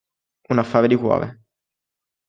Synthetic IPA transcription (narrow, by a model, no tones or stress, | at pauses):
unafːaːɾed̪ikwɔ̰ːvḛ